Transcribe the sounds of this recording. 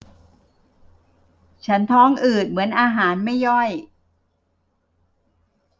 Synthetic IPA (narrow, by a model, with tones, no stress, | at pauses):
t͡ɕʰa˦˥nt̪ʰɔː˦˥˩ŋʔɯː˨˩t̪̚mɯ˩˦ənʔaː˧ɦaː˩˦nma˥˩jːɔ˥˩j